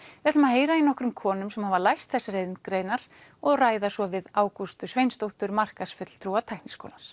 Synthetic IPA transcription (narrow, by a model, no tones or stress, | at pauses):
vɛɾt̪lʏmaheːjɾainɔhkɾʏmkʰɔːnʏmsɛmhavalajst̪θɛsːaɾejðnkɾeːjnaɾɔɣraːjðasvɔvɪðaːwkust̪ʏsvejnst̪owht̪ʏɾmar̥kasfʏt̪l̥t̪ʰɾuːat̪ʰajknisko̰wlans